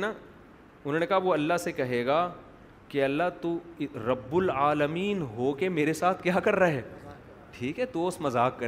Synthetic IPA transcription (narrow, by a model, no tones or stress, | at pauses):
na | ʊnɦoːnekɐɦaʋoɐlːaɦsekɐɦeːɡaː | kiɐlːat̪uɾɐbːʊlaːləmiːnɦokemeːɾesaːt̪ʰkjaːkɐɾːaɦɛː | ʈʰiːkɦɛd̪oːsmɐzaːkːɐɾ